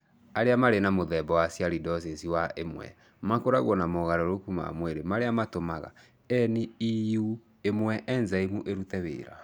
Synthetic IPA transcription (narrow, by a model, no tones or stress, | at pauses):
aɾeamaɾenamoðɛbɔwasjaɾidɔsesiwaʔemwɛ̰ | makoɾaɣwɔnamoɣaɾɔɾokuma̰mweɾemaɾeamatomaɣa̰ | ɛniiju | emwɛʔɛnzaimuʔeɾutɛβḛːɾa̰